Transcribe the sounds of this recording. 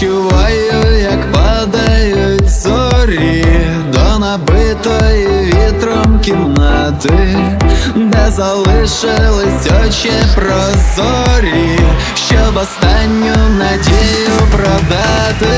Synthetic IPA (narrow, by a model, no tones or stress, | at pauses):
ʊvajʊjakpad̪ɐjʊtʲzɔɾʲi | d̪ɔnɐbɨt̪ɔjvʲet̪ɾɔmkʲɪmnat̪ɨ | d̪ɐzɐlˠɨʂɨlˠɨsʲdʲɔt͡ɕepɾɔzɔ | ɾʲi | ɕɔbɐst̪anʲːʊnɐdʲejʊpɾɐd̪at̪ɨ